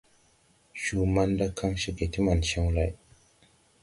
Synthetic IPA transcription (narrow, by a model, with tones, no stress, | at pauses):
ʃu˨ma˦nda˦kʰa˦ŋʃe˨ke˨t̪ʰi˦ma˨nʃa˦ŋla˨j